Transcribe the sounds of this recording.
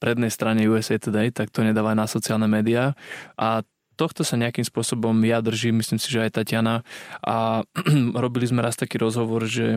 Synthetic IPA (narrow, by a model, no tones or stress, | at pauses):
pɾɛd̪nɛjst̪ɾaɲɛjuɛzɛt̪ɛd̪ɛt̪ak̚t̪ɔɔɲɛd̪aːʋanasɔt͡siaːlnɛmɛːd̪iaʔa | t̪ɔxt̪ɔsaɲɛakimspʊɔsɔbɔmjad̪r̩ʒimisliːmsiʒɛajt̪acɪanaʔa | ɾɔbilizmɛɾast̪akiːɾɔzɦɔʋɔɾʒɛ